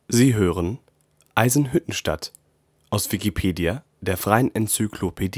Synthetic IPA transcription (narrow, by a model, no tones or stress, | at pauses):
ziːɦøːʁən | ʔaɪzn̩ɦʏtn̩ʃta̰t | ʔaʊsv̥ikipʰeːdia | d̥eːɐfʁ̥aɪənʔɛnt͡sykʰlopʰediː